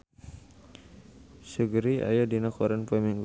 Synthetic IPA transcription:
səɡɾia̰jadinakɔɾanpɛmiŋ

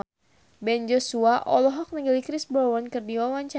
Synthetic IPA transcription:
bɛnd͡ʒosuaʔɔlɔɦɔk̚nəɡəlikɾɪsbɾɔwɔnkɨrdiwawaɲt͡ʃa

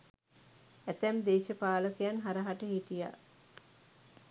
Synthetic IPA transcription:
æt̪æmd̪eːʃəpaːləkejanɦaɾəɦaʈəɦiʈija̰

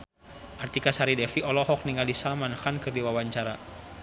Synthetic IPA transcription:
ʔart̪ikasaɾidɛfiʔɔlɔhɔk̚niŋalisamanxankɨrdiwawaɲt͡ʃaɾa

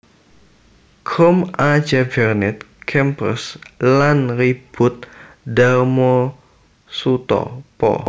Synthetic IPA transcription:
kʰɔmad͡ʒabɛrnɛt̪̚ | kʰɛmpə̰slanrib̥ʊt̪̚ | darmɔ | sut̪ɔ̰pɔ̰

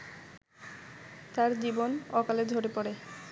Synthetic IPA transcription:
t̪aɾd͡ʑibonɔkaled͡ʑʱoɾepɔɾe

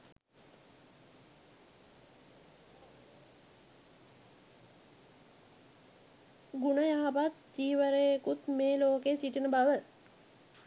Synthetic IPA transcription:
ɡunəjaɦapat̪̚d͡ʒiːʋəɾeekut̪meːloːkesiʈinəbaʋə

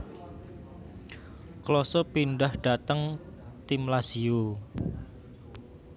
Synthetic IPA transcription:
klɔsɔpinɖahɖ̥a̤t̪əŋ | t̪imlasiu

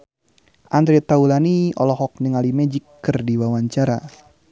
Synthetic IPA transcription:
ʔand̪ɾet̪aulaniɔ̰lɔɦɔk̚nəŋalimɛd͡ʒikːɨrdiwawaɲt͡ʃaɾa

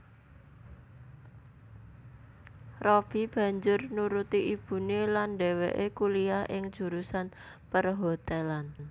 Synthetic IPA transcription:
rob̥i̤b̥ä̤ɲd͡ʒʊrnuɾut̪iʔib̥ṳnelandeweʔekuliahʔɪŋd̥ʒ̥ṳɾusanpərɦot̪elan

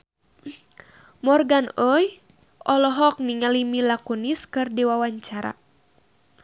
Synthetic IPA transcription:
mɔrɡanɔj | ʔɔlɔɦɔk̚niŋalimilakuniskɨrdiwawaɲt͡ʃaɾa̰

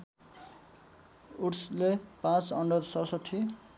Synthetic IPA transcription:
uʈslepãt͡sʌɳɖʌd̪sʌsʌʈʰːi

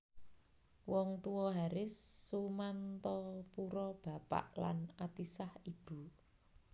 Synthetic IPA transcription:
wɔŋt̪uwɔɦaɾɪsːumant̪ɔpuɾɔb̥a̤pa̰ʔla̰nat̪isahib̥ṳ

